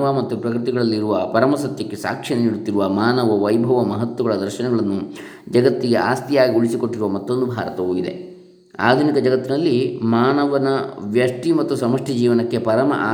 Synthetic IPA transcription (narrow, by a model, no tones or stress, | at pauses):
ʋɐmɐt̪ːupɾɐkɾɨt̪iɡɐɭɐlːiɾuʋɐpɐɾɐmɐsɐt̪jɐkːe̞sa̰ːkʂɐneniɽut̪ːiɾuʋɐmaːnɐʋɐʋɐjbʱɐʋɐmɐɦɐt̪ʋɐɡɐɭɐd̪ɐɾʃɐnɛɡɐɭɐnːu | d͡ʒɐɡɐt̪ːiɡe̞aːst̪ijaːɡiuɭisiko̞ʈːiɾuʋɐmɐt̪ːo̞nd̪ubʱaːɾɐt̪ɐʋuːid̪e̞̰ | a̰ːd̪ʱunikɐd͡ʒɐɡɐt̪ːinɐlːimaːnɐʋɐnɐʋjɐʂʈimɐt̪ːusɐmɐʂʈʰɐd͡ʒiːʋɐnɐkːe̞pɐɾɐmɐ̰ʔaː